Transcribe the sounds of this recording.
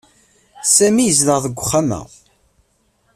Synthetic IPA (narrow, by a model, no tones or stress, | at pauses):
sæmijəzləʁðəɡʷːʊχːanæ̰